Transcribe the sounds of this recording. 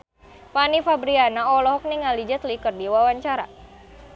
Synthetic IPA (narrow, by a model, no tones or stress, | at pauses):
panifabɾianaɔlɔɦɔk̚niŋalid͡ʒət̪likərdiwawaɲt͡ʃaɾa̰